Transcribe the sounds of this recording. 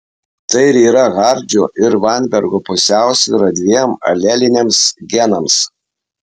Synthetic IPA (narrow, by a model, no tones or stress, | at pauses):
t̪ɐɪɪɾiːɾɐɣɑɾʲd͡ʒʲʊʔɪɾʋɑˑnʲbʲɛɾɡoːpʊsʲæˑʊsʲḭɾɐd̪ʲʋʲiɛmɐ̰lʲɛlʲɪnʲeɛmsɡʲɛnɐms